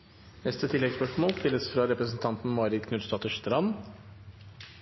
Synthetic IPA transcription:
nɛst̪ət̪ʰɪlːɛɡspœʂmoːlst̪ɪlːəsfɾɑɾɛpɾəsn̩t̪ʰɑnt̪n̩mɑːɾɪkʰnʉd̪st̪ɑːt̪əʂt̪əɾɑn

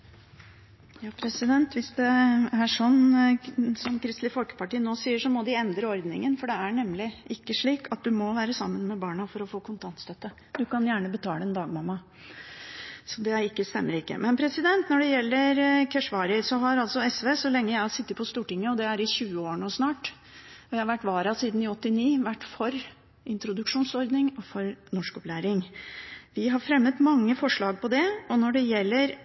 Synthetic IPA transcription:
jɑːpʰɾɛsɪd̪ɛnt̪ʋɪsd̪ɛæʂɔnː | sɔmkʰɾɪst̪lɪfɔlkə̥pɑʈiːənoːsiːəʂɔmɔd̪ɪɛnd̪ɾəɔɾd̪nɪ̰ŋənfɔɖɛæɳɛmːlɪʔɪkːəʂɭiːkɑt̪̚d̪ʉmɔʋæːɾəsɑ̰mːənmɛbɑːɳɑfɔɾɔfoːkʰʊnt̪ʰɑnt̪st̪œt̪ːə | d̪ʉkʰɑnjæːɳəbət̪ʰɑːləɛnd̪ɑːɡmɑmːɑ | sɔd̪ɛɪkːəst̪ɛ̰mːəɾɪkːə̰mɛnpʰɾɛsɪd̪ɛnt̪nɔɖɛjɛlːəɾkʰɛʂʋɑːɾəsɔɦɑɾɑlsɔɛsʋeːsɔlɛŋːəjæɪhɑsɪt̪ːət̪̚pʰɔst̪uːʈɪŋːəɔd̪ɛæɾɪɕʉːəoːɳusnɑːʈ | ɔjæɪhɑɾʋæʈːʋɑːɾɑsiːd̪n̩ɪɔt̪ːɪniːʋæʈːfɔɾ | ɪnt̪ɾʊd̪ʉkʂuːnsɔɾd̪nɪŋɔfɔɾnɔʂkɔplæːɾɪŋ | ʋɪɦɑɾfɾɛmːət̪mɑŋːəfɔʂɭɑːɡ̚pʰɔd̪ɛɔnɔɖɛjɛlːəɾ

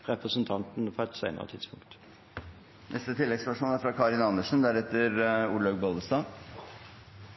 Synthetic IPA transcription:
ɾɛpɾəsənt̪ʰɑnt̪n̩pʰɔɛt̪sæ̰ɪnə̰ɾə̰t̪ʰɪd̪spʊŋkt̪ | nʔɛst̪ət̪ʰɪlːɛɡsʋæʂuːnæɾfɾɑkʰɑɾɪnɑnːəʂn̩d̪æɾɛt̪ːəɾuːɭɑɡbɔld̪əsd̪ɑː

